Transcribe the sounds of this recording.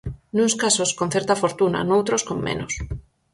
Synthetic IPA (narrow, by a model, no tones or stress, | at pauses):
nunskasoskonθeɾt̪afoɾt̪una̰nowt̪ɾoskommḛ̃nos